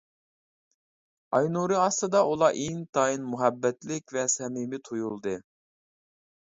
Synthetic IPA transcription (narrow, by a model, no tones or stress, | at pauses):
ɑjnuɾɨɑst̪ɨd̪ɑʔulˠɑʔiŋt̪ʰɑinmuɦɛbːɛt̪lɪkʲvɛsɛmimɪt̪ʰojulˠd̪ɨ